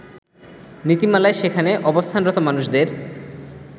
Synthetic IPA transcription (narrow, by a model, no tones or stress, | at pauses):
nit̪imalaeʃekʰaneʔɔbost̪ʰanɾɔt̪omanuʃd̪eɾ